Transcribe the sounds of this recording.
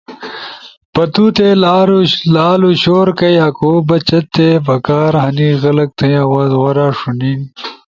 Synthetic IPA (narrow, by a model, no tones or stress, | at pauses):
pɐt̪uːt̪eːlaɾulaːluɕoːɾkɐjaːkoːbɐt͡ɕɐt̪ːeːbɐkaːɾɦɐniːɣɐlɐk̚t̪ʰɐjaːwaːzwɐɾaːʂuniːn